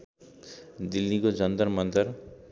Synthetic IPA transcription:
d̪ilːikod͡zʌnd̪ʌɾmʌnd̪ʌr

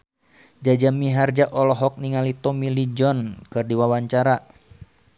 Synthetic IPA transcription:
d͡ʒad͡ʒamiɦard͡ʒaʔɔlɔɦɔk̚niŋalit̪ɔmilid͡ʒɔnkɨrdiwawaɲt͡ʃaɾa

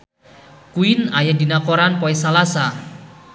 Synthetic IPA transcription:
kuinajadinakoɾanpɔɛsalasa

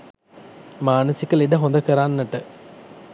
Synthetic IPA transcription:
maːnəsikəliɖəɦond̪əkəɾanːəʈə

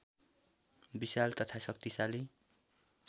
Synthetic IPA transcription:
bisalt̪ʌt̪ʰasʌk̚t̪isali

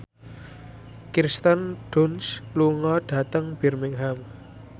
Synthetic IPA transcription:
kirst̪ənɖ̥unsluŋɔɖ̥a̤t̪əŋb̥ɛ̤rmɪŋɦam

